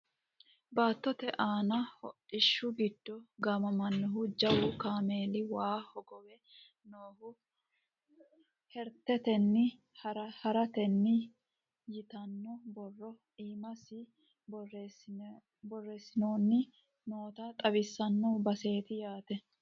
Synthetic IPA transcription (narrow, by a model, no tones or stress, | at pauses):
baːt̪ːɔt̪ɛʔaːnɐhɔ̰ʔɪʃːʊɡɪd̪̥ːɔɡɐmɐmɐnːɔɦʊd͡ʒɐwukaːme̞ːlɪwaːhɔɡɔwɛ | noːhʊ | hɛɾt̪ɛt̪ɛnːɪ | ɾɐhɐɾɐt̪ɛnːɪ | jɪt̪ɐnːɔbɔrːɔ | iːmɐsɪ | b | bɔrːe̞ːsːɪnoːnːɪ | no̞ːt̪ɐt̪ʼɐβɪsːɐnːɔbɐse̞ːt̪ɪjaːt̪ɛ